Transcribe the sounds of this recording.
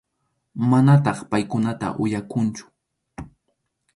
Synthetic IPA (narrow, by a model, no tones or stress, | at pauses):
manat̪ɑχpajkʊnat̪a̰ʔʊjakʊnt͡ʃʊ̥